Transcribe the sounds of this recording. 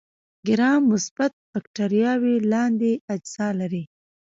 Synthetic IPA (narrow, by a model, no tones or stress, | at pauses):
ɡɪɾɑmːʊsb̥at̪̚bakʈaɾijɑwelɑnd̪ead͡ʒz̥ɑlaɾi